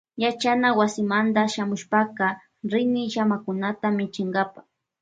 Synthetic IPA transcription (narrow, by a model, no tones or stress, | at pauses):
jat͡ʃanawasɪmand̪aʃamʊʃpakɑ | ɾɪnɪʃamakʊnat̪amɪt͡ʃɪŋɡapa